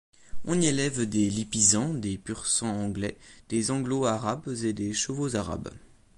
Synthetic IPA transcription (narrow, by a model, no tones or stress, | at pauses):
ɔ̃nielɛvd̪elipizɑ̃d̪epyʁsɑ̃ɑ̃ɡlɛd̪̥ezɑ̃ɡloaʁabzed̪eʃəvozaʁa̰b